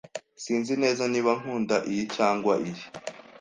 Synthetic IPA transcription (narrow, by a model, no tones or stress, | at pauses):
siːnzine̞ːzaniβaŋ̥huːndaʔijicaːŋɡwaʔiji